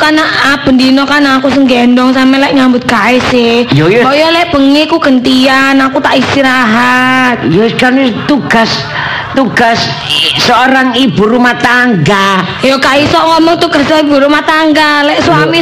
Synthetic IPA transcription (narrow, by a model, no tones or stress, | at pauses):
kanaʔab̥əndinɔkanaːkusəŋɡɛndɔŋsampɛlɛʔɲambʊt̪̚kaɪsɪhjojbɔjɔlɛʔb̥əŋikuɡ̥ənt̪ianakut̪aʔist̪iɾaɦat̪̚jokanit̪uɡ̥as | t̪uɡ̥asː | əoɾaŋibuɾumaht̪aŋɡa | jɔkaisɔʔŋɔmɔŋt̪uɡ̥asibuɾumaht̪aŋɡalɛʔswami